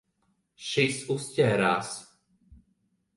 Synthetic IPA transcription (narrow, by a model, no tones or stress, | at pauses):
ʃisuscʲɛːɾaːs